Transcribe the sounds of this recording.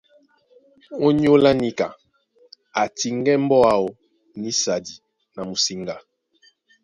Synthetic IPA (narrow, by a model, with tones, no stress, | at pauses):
o˦ɲ˦o˦la˦ni˦ka˨ | a˨ti˨ŋɡɛ˦m˦bɔ˦a˨o˨ | ni˦sa˨di˨ | na˨mu˨si˨ŋɡa˨